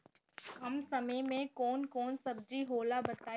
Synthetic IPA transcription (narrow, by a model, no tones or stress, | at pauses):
kɐmsɐməjmẽkɔːnkɔːnsɐb̚d͡ʒiɦoːlabɐt̪aː